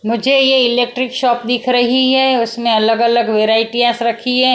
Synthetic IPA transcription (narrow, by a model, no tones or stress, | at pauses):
mʊd͡ʒʱejeɪleːk̚ʈɾɪkʃɔːp̚d̪ɪkʰɾɐɦiɦɛʊsmẽɐləɡɐləɡʋeːɾaːɪʈiasɾɐkʰiɦɛː